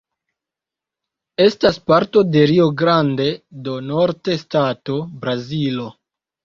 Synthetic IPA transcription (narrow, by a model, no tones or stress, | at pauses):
e̞staspaɾto̞de̞ɾioɡɾande̞do̞no̞ɾte̞stato̞bɾazilo̞